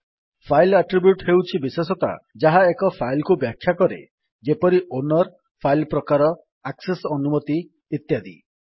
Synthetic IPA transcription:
pʰajlaʈɾibjuʈɦewt͡ʃʰibisesɔt̪a̰d͡ʒaɦaekɔpʰailkubjakʰːjakɔɾḛ | d͡ʒepɔɾiʔonɔɾ | pʰailpɾɔkaɾɔ | aksesɔnumɔt̪iː | t̪jad̪ḭ

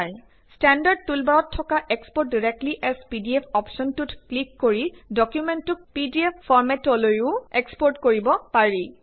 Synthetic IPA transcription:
j | stɛndaɹd̚tulbaɹɔtʰːɔkaʔekspɔɹt̚diɹek̚tliʔɛspidiɛpʰɔpʃɔntutklikːoɹidɔkjumentʊk̚pidiepfɔɹmɛtɔlojʊ̃ekspɔɹtkoɹibɔpaɹi

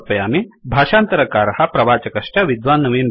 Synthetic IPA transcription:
pɐjaːmebʱaːʃaːnt̪ɐɾɐkaːɾhɐpɾɐʋaːt͡ʃɐkɐʂʈaʋid̪ʋaːnːɐʋeːn

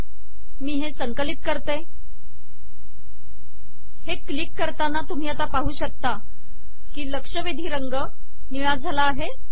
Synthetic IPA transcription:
miːɦesəŋkəlit̪̚kəɾt̪e | heklikːəɾt̪anat̪um̤iːat̪apaɦuːɕək̚t̪a | kiːləkʂəʋed̪ʱiːɾəŋɡə | niɭad͡zʱalaːɦe

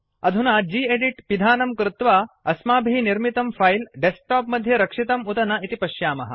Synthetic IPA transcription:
ɐd̪ʱunaːd͡ʒiːeɖiʈpid̪ʱaːnɐmkɾut̪ʋaːɐsmaːbʱiːniɾmit̪ɐmfɐjlɖesʈaːpmɐd̪ʱjɐɾɐkʂit̪ɐmut̪ɐnɐit̪ipɐʃjaːmɐ̰ɦɐ̰

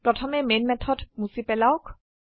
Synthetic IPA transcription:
d̥ɔtʰɔmemenmɛt̪ʰɔtmusibɛlawk

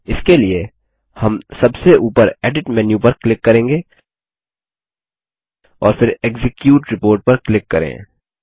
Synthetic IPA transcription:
ɪskelie | hɐmsɐbseʔuːpəɾɛːɖɪʈmɛːnjũpɐɾklɪkːɐɾẽːŋɡeː | ɔːɾfɪɾeːkzɪkjuːʈɾɪpoːɾʈ̚pɐɾklɪkːɐɾḛ̃ː

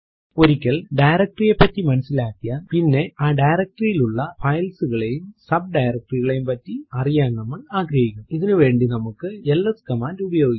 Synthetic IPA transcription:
oɾikʲːɐɭɖɐjɾɐk̚ʈrijepːɐtːimɐnɐsːilaːkːijaːnpinːeaːɖɐjɾɐk̚ʈrijiluɭːɐfɐjlsɯɣɐɭejumsɐb̚ɖɐjɾɐk̚ʈriɣɐɭejumpɐtːiɐrijaːnnɐmːɐɭaːɡɾɐjikʲːumiðɐnɨʋeːɳɖinɐmukːɨɛlːɐskɐmaːlubɐjoːɡikː

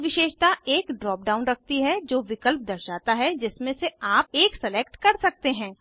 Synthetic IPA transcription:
ʋɪʃeːʃt̪aʔeːkɖɾɔːp̚ɖaːʊ̃nɾɐk̚ʰt̪iɦɛd͡ʒoːʋɪkəlp̚d̪ɐɾʃaːt̪aɦɛd͡ʒɪsmẽseaːp̚eːksɛleːkʈkɐɾsɐk̚t̪eɦɛ̃ː

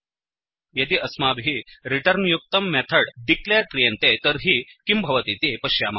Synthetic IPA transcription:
jɐt̪iːʔɐsmabʱɦiːɾiʈəɾnjuk̚t̪əmːɛt̪ʰəɽɖikleɾkɾijənt̪et̪əɾɦiːkimbʱɐʋət̪it̪epəɕjaːma

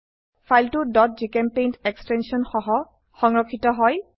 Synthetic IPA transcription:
fʰajltʊdɔt̚zikɛmpejntɛkstɛnsiɔnxɔɦɔ | xɔŋɹɔkʰːitɔɦɔj

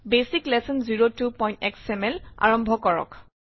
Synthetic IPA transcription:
besiklɛsɔnziɹotupɔjntɛ̰ksɛmɛla̰ɹɔmbʱɔkɔɹɔ̰k

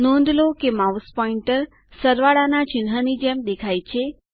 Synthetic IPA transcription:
nɔ̃nd̪lokemawspɔiɳʈəɾ | səɾʋaɭanat͡ʃɪnɦənid͡ʒemd̪ekʰajt͡ʃʰe

